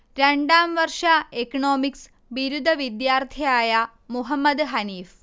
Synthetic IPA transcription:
ɾeɳɖaːmʋɐrʂaekɐɳoːmiks | ʋiɾud̪ʱɐʋid̪jaːrt̪ʰijaːja | muɦɐmːɐd̪ɦɐniːf

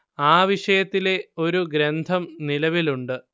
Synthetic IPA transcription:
aːʋiʂɐjɐt̪ːile̞o̞ɾuɡɾend̪ʱɐmnilɐʋiluɳɖɨ

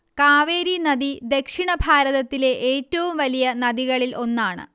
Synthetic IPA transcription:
kaːʋeːɾinɐd̪id̪e̞kʂiɳɐbʱaːɾɐðɐt̪ːile̞ʔeːtːɐʋumʋɐlijɐnɐd̪iɣɐɭilʔo̞nːaːɳɨ̰

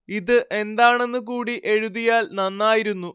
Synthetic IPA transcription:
iðɨʔe̞nd̪aːɳe̞nːɨk̬uːɽiʔe̞ɻuðijaːlnɐnːaːjiɾunːu

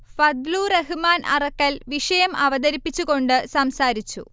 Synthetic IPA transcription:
fɐd̪luːreɦɨmaːnʔɐ̰rɐkːɐlʋiʂɐjɐmɐʋɐd̪ɐɾipːit͡ɕːuɣo̞ɳɖɨsɐmsaːɾit͡ɕːṵ

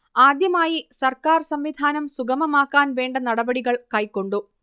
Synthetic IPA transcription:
aːd̪jɐmaːjisɐrkaːrsɐmʋid̪ʱaːnɐmsuɡɐmɐmaːkːaːnʋe̞ːɳɖɐnɐɽɐbɐɽiɣɐɭkɐjkːo̞ɳɖu

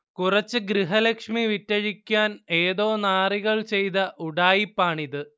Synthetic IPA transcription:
kurɐt͡ɕːɨɡɾiɦɐlɐkʂmiʋitːɐɻikʲːaːne̞ːðoːnaːriɣɐɭt͡ɕe̞jt̪ɐʔuɽaːjipːaːɳiðɨ

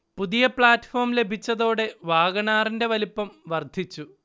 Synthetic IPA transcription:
puðijɐpɭaːtːfo̞ːrmle̞bʱit͡ɕːɐðo̞ːɽe̞ʋaːɣɐɳaːrinde̞ʋɐlipːɐmʋɐrd̪ʱit͡ɕːu

